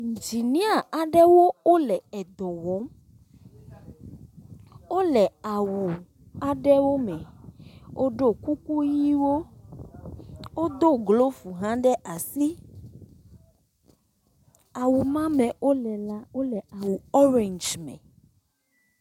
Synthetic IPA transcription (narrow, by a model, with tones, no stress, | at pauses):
i˨n˨d͡ʒi˨nĩ˦a˨a˨ɖɛ˦wo˦o˦lɛ˨ɛ˨d̪ɔ˨wɔ˨˦m | wo˦lɛ˨a˨wu˨ | a˨ɖɛ˦wo˦mɛ˨wʔo˦ɖo˦ku˦ku˦ji˦wo˦ | wo˦d̪o˦ɡlo˦fu˨ɦã˦ɖɛ˦ʔa˨si˦ | a˨wu˨mã˦mɛ̃˨wo˦lɛ˨la˦wo˦lɛ˨a˨wu˨ɔ˦ɾe˨nd͡ʒmɛ̰̃˨